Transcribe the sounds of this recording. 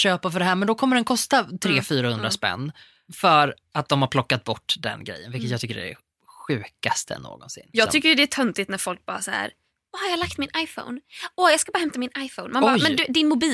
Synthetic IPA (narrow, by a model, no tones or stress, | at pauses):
ɕøːpafœɖɛɦæːɾmɛnd̪ɔkʰɔmːəɖɛnkʰɔst̪at̪ʰɾeːfyːɾahɵnd̪ɾaspɛ̰nː | fœɾ | at̪̚d̪ɔmhaɾpʰlɔkːat̪̚bɔʈːd̪ɛ̰nɡɾɛ̰jːənvɪlkːət̪jɑɡt̪ʰʏkːəɖɛæ̰ | ɧʉ̟ːkast̪ʰə̰nːo̰ːɡɔ̰nsɪ̰nːjːɡt̪ʏkːəɾjd̪ɛæʈʰœnt̪ɪt̪næɾfɔlk̚bɑ̰ːɾasaæ̰ɾ | haɾjɑːlak̚t̪mɪnʔajfo̰wnɔjɑɡskabɑːɾhɛmt̪amɪnajfonmanjmɛnd̪ɵd̪ɪnmʊbiː